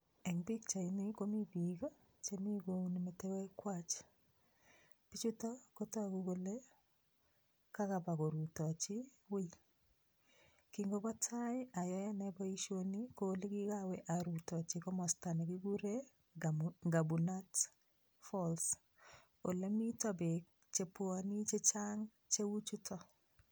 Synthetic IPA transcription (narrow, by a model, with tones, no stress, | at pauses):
ɛ˨ŋbi˦kt͡ʃa˨i˨nɪko˦mi˦ɡiɡa˦ | t͡ʃe˦mi˦ɡo˨ni˨metɛ˦wɛ˦kwat͡ʃ | pit͡ʃu˦tɔ˦ko˦taɡu˨ɡo˦le˦ | ka˦ka˨pa˨ko˨ɾu˨tɔ˨t͡ʃɪ˦wi˦l | ki˨ŋɡo˦ba˦tʰa˦ja˨jɔ˦ja˦nɛbɔ˦iʃo˦ni˦ko˦li˦ki˦kawɛ˨ʔa˨ɾutɔ˨t͡ʃɪkɔ˦mɔ˨sta˨ne˨ki˦ɡu˦ɾe˦ | ɡa˨bu˨na˦t | fɔls | o˨le˦mi˦tɔ˦be˨k | t͡ʃe˨pwa˨ni˦t͡ʃe˦t͡ʃaŋ | t͡ʃe˦wu˦t͡ʃu˦tʰɔ˦